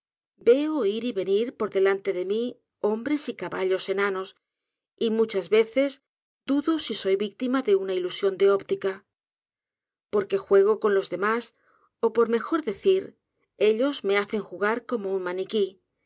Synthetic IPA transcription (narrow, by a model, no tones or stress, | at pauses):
be̞oiɾiβe̞niɾpo̞ɾðe̞lant̪e̞ðe̞mi | o̞mbɾe̞sikaβaʎo̞se̞nano̞s | imut͡ʃazβe̞θe̞s | d̪̥uðosiso̞jβik̚t̪imaðe̞unailusjo̞nd̪eopt̪ika | po̞ɾke̞xwe̞ɣ̞o̞ko̞nlo̞zðe̞mas | o̞po̞ɾme̞xo̞ɾðe̞θiɾ | e̞ʎo̞zme̞aθe̞ŋxuɣaɾko̞mo̞unmaniki